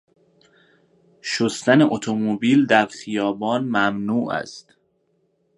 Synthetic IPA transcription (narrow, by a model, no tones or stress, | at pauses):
ʃost̪æneʔot̪ʰomobiːld̪æɾχijɒːbɒːnmæmnuːʔæ̰st̪